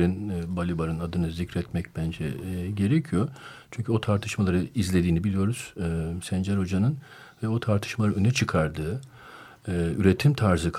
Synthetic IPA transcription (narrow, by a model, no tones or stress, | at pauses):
ɾinbalʲibaɾɯnad̪ɯnɯzicɾɛt̪mɛcbænd͡ʒɛ̰ɟe̞ɾɛcʰijo̞t͡ʃʰyɲʲcʰyo̞t̪ʰaɾt̪ʰɯʃmalˠaɾɯizlʲe̞d̪iːnibilʲijo̞ɾuz̥sɛnd͡ʒɛɾo̞d͡ʒanɯn | vɛo̞t̪ʰaɾt̪ʰɯ̥ʃmalaɾɯønyt͡ʃʰɯkʰaɾd̪ɯː | yɾet̪ʰimt̪ʰaɾzɯkʰ